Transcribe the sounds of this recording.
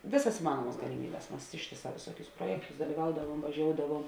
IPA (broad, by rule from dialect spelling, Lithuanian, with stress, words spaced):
ˈʋʲeːˌsɐs ɪˈmɑːnuɔmɐs ɡɐlʲɪˈmʲiːbʲɛs ˈmɐs ˈɪʃʲtʲeːˌsɑː ʋʲeːˈsuɔkʲʊs ˈpruɔjɛktʊs dɐlʲiːˈʋɐʊdɐʋuɔm ʋɐˈʒʲoːʊdɐʋuɔm